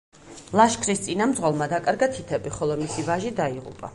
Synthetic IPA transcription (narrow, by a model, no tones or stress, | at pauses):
lˠaʃkʰɾist̪sʼinamd̪zʁɔlˠmad̪akʼaɾɡat̪ʰit̪ʰɛbiχɔlˠɔmisivaʒid̪aiʁṵpʼa̰